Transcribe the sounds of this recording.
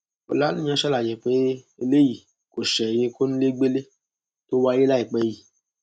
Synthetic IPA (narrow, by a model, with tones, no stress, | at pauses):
o̰˨la˨˦nũ˦mĩ˦a˨˦ʃɛ˦la˨d͡ʒɛ˨k͡pe˦e˧le˦ji˨ | ko˨ʃɛ˨jĩ˧ko˦nũ˦le˦ɡ͡be˦le˦ | to˦wa˧˦je˦la˦i˨k͡pɛ˨˦ji˨